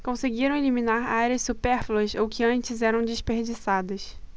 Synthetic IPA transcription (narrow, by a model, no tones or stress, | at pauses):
kõseɡiɾɐ̃w̃eliminaɾaɾɐssupeɾflɐsowkɪɐ̃nt͡ʃɪzɛɾɐ̃w̃d͡ʒɪspeɾd͡ʒisad̪ɐs